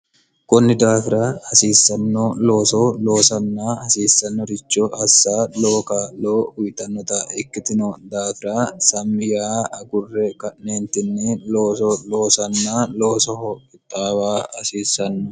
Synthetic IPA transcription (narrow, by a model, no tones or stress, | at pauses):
kʊnːɪd̪aːfɪɾaɐsiːsːɐnːɔlo̞ːsɔlo̞ːsɐnːaːɐsiːsːɐnːɔɾɪt͡ʃːɔʔɐsːaːloːkaːloːʊjt̪ɐnːɔt̪aɪkːɪt̪ɪnɔd̪aːfɪɾasɐmːɪjaːɐɡʊrːɛkɐʔneːnt̪ɪnːɪloːsɔlo̞ːsɐnːaːloːsɔhɔʔɪt̪ʼːaːbaːɐsiːsːɐnːɔ